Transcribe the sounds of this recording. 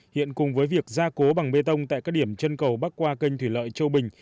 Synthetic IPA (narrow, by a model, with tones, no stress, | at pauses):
hḭ˧˨ənkʊ˨˩ŋ͡mvəː˨˦jvi˨˩ək̚zaː˧ko˨˦ɓa˨˩ŋɓe˧t̪ə˧wŋ͡mt̪a̰ː˧˨kaː˦˥k̚ɗi˧˩əmt͡ɕə˧nkə˨˩wɓa˦˥k̚kwaː˧kə˧ŋ̟t̪ʰwi˧˩lə̰ː˧˨jt͡ɕə˧wɓï˨˩ŋ̟